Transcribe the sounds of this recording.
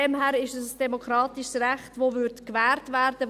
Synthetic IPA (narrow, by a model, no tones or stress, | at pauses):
ɛmhæːɾɪʃəssd̥ɛmokʰɾɑːtɪʃsræχtʋovʏtkʋæːrtvæːrd̥ə